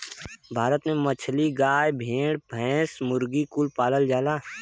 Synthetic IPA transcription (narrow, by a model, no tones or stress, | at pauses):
bʱaːɾət̪mẽmət͡ʃʰliɡaːjbʱẽːɽbʱɛ̃ːsmʊɾɡikʊlpaːləld͡ʒaːlaː